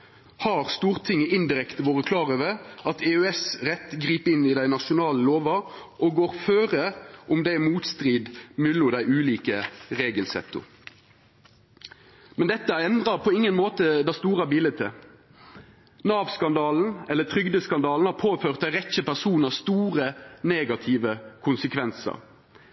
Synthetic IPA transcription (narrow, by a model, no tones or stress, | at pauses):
hɑʁst̪uːʁt̪ʰɪŋːəʔɪnd̪ɪʁɛkt̪əʋoːʁəkʰlɑːʁəʋɛɑt̪ʰɛœɛsʁɛt̪ːɡʁiːpəɪnːɪd̪æɪnɑʃʊnɑːləloːʋɑ | ʔɔɡoːʁføːʁəʔʊmd̪ɛɪmuːt̪st̪ʁiːd̪mʉlʊd̪æɪʉːliːkəʁeːɡəlsɛ̰t̪ːʊ̰ | mɛnd̪ɛt̪ːəɛnd̪ʁɑʁpʰɔɪŋːənmoːt̪əd̪ɛst̪uːʁɑbiːlət̪ʰə̰ | nɑːʋskɑnd̪ɑːln̩ɛlːət̪ʰɾʏɡd̪əskɑnd̪ɑːln̩hɑːɾpʰoːføːʁt̪æɪʁɛçəpæsuːnəst̪uːʁəneːɡɑt̪ʰɪːʋəkʰʊnsəkʰʋɛnsə̰ɾ